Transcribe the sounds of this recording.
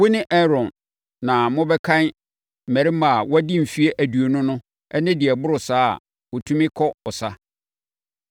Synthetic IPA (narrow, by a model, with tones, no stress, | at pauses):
wʊ˦nɪ̃˦ʔɛ˦ɾɔ̃˨nː | ã˨mʊ̃˦bɛ˦kʰã˦n̩˦˨ | mæ˨ɾɪ˦ma˨wɔ˦æ˦dĩ˦m̩˨fi˦e˦ʔæ˨du˨o˨nʊ̃˦nʊ̃˦ | ɛ˦nɪ̃˦dɪ˨ɛ˨bʊ˦ɾʊ˨sa̰ː˦˨ | wo˨tʰũ˦mɪ̃˦kʰɔ˦ɔ˨sa˦